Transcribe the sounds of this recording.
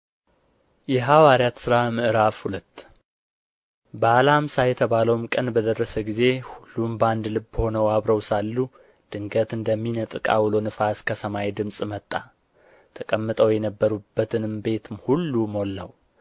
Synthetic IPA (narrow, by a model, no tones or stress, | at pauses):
jɛɦawaɾjat̪sɨɾamɨʔɨɾafhulət̪ː | bəalaamsajɛt̪ʰəβaləwmkʼənbəd̪ərːəsəɡize̞hulːumbəand̪lɨbːəho̞nəwaβɾəwsalːu | d̪̥ɨŋɡət̪ɨnd̪əmːinət̪ʼɨkʼa̰wlonɨfaskʰəsəmajd̪ɨmsʼmət̪ʼːa | t̪ʰəkʼəmːɨt̪ʼəwjɛnəbːəɾubːət̪ʰɨnɨmbe̞t̪ʰɨmhulːumolːə̰w